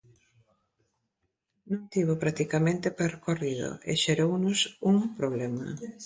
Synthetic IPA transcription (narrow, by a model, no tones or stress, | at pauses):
nõŋt̪iβ̞opɾakt̪ikamẽnt̪epeɾkoriðo̰ḛʃeɾownʊsuŋpɾoβ̞lemɐ̰